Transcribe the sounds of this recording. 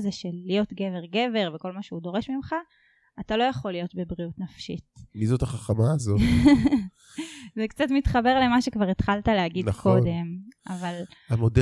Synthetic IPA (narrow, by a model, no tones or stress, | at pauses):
zeʃelːijo̞tɡe̞ve̞ʁɡe̞ve̞ʁveko̞lmaʃeudo̞ʁe̞ʃmimχa | atalo̞jaχo̞lːijo̞tbe̞bʁiutnafʃḭtmizotaχaχamaːzo | zekt͡satmitχabe̞ʁle̞maʃekvaʁet̪χaltaleaɡidkʰode̞mʔavalamod